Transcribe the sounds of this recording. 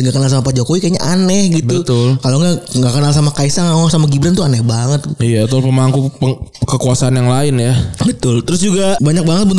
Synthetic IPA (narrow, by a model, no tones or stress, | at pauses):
ŋɡakənals̬amapad͡ʒokowikaɲaʔanɛhɡitb̪ut̪ʊlkaloŋɡaŋɡakənalsamakaisaŋaasamaɡibɾant̪ʊanɛhbaŋət̪̚ijaːt̪alpəmaŋkupəŋkəkuasaanjaŋlaɪnjabət̪ʊlt̪əɾʊs̬d͡ʒuɡabaɲak̚baŋət̪̚bənt̪